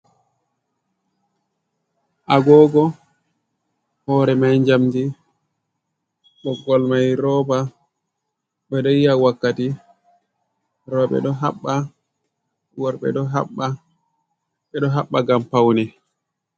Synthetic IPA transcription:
ʔaɡɔːɡɔ | hɔːɾɛmajɲd͡ʒamdi | ɗɔɡɔlmajɾɔːba | ɓɛɗɔjijawakːati | ɾɔɓɛ̰ɗɔɦaɓːa | wɔɾɓɛ̰ɗɔɦaɓːa | ɓɛɗɔɦaɓːaɡampawnɛ

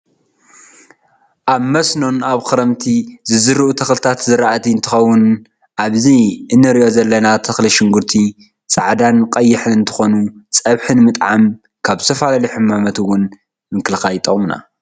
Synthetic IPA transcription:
ʔaβmɐsno̞naβxɨɾɐmt̪ʰizɨzɨɾɨʔut̪ʰɐxlɨt̪ʰat̪zɨɾaʔat̪ʰiɨnt̪ʰɨ̥xɐwːʊn | ʔaβziɨnːɨɾiʔo̞zɐlːɐnat̪ʰɐxliʃɪŋɡuɾt̪ʰi | t͡sʼaʕd̪anqʼɐjːɪħɨnɨnt̪ʰɨ̥xo̞nut͡sʼɐβħɨnmɨt̪ʼʕam | kʰaβsʰɐfalaliħɨmːamɐt̪wʊn | mɨŋkɨlɨxajt̪ʼɐχʼmna̰

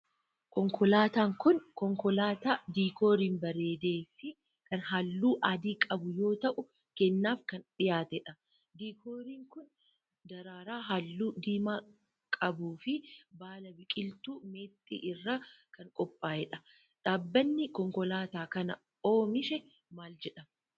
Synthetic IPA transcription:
kɔŋkʰɔlaːt̪aːŋkʊnkɔŋkɔlaːt̪aːd̪iːkoːɾiːnbɐɾe̞ːd̪eːfɪ | kɐnɦɐlːuːʔɐːd̪iːkʼɐbʊjo̞ːt̪ɐʔʊ | kɛnːaːfkɐnᶑɪjaːt̪ɛᶑɐ | d̪iːkʰoːɾiːŋkʊn | d̪ɐɾaːɾaːɦɐlːuːd̪iːmaː | kʼɐbuːfɪbaːlɐbɪkʼɪlt̪uːme̞ːt̪ʼːḭːʔɪrːakɐŋkʼɔpʼːaːjɛᶑɐ | ᶑaːbːɐnːɪkɔŋkɔlaːt̪aːkɐnɐ̰ | oːmɪʃɛ | maːld͡ʒɛᶑɐm

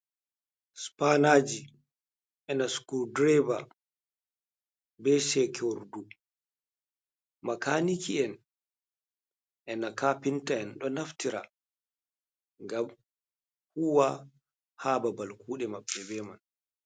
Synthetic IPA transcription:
spanaːd͡ʒi | ʔɛnaskudɾɛba | bɛsɛkʰoɾdu | makanikʰiɛn | ʔɛnakapintaɛnɗɔnaftiɾa̰ | ŋɡam | huwa | haːbabalkuːɗɛmaɓːɛbɛman

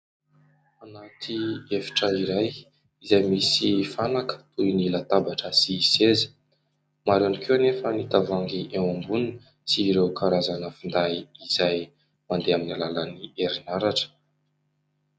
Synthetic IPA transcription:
anat̪ʰiefi̥ʈ͡ʂəiɾaj | izajmisifanakə̥t̪uinilat̪abaʈ͡ʂəsisezə̥ | maɾanikʰewnefənit̪avaŋɡiʔewambunin | siːɾewkʰaɾazanəfind̪aiz̥aj | mand̪eaminilalənieɾinaɾaʈ͡ʂə̥

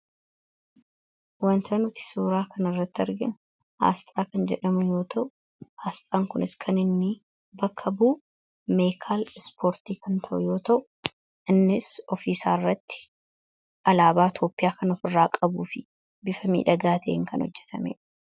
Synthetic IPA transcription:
wɐnt̪ʰɐnʊt̪ɪ̥suːɾaːkʰɐnɐrːɐt̪ːɐɾɡɪnʊ | ha̰ːst̪ʼaːkɐnd͡ʒɛᶑɐmʊjo̞ːt̪ʰɐʔʊ | haːst̪ʼaːŋkʊnɪskʰɐnɪnːɪ | bɐkʰːɐbuː | me̞ːkʰaːlɪspʰo̞ːɾt̪iːkɐnt̪ʰɐʔʊjo̞ːt̪ɐʔʊ | ʔɪnːɪsɔfiːsaːɪrːɐt̪ːɪ̥ | ʔɐlaːbaːt̪ʰo̞ːpʼːɪjaːkɐnɔfɪrːaːkʼɐbuːfɪ | bɪfɐmḭːᶑɐɡaːt̪ʰɐʔeːŋkɐnhɔ̰d͡ʒːɛ̥t̪ʰɐmḛːᶑɐ̥

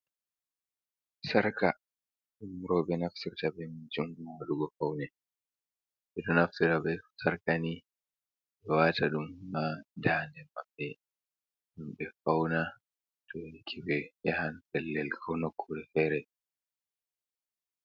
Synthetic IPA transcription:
saɾka | ɗumɾɔbɛnaftiɾtabɛmid͡ʒuŋɡumaaɗuɡɔfawnɛ | ɓɛɗɔnaftiɾabɛsaɾkani | ɓɛwaːtaɗumːadaːndɛmaɓːɛ | ɗumɓɛfawna | tɔkʰiwɛjahantɛlːɛlkʰɔwnɔkʰːuɾɛhɛɾɛ

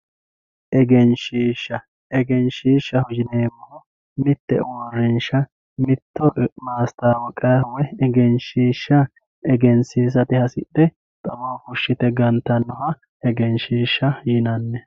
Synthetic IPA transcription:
ʔɛɡɛnʃiːʃːɐ | ɛɡɛnʃiːʃːɐhʊd͡ʒɪneːmːo | mɪt̪ːɛ̰wɔrːɪnʃɐ | mɪt̪ːɔmaːst̪aːwɔkʼːɐjhʊwɛɛɡɛnʃiːʃːɐ | ɛɡɛnsiːs̬ɐt̪ɪhɐsɪ̰ɗːɛ | t̪ʼɐboːkʊʃːɪt̪ɛɡɐnt̪ːɐnːɔhɐ | ɛɡɛnʃiːʃːɐjɪnɐnːɛ

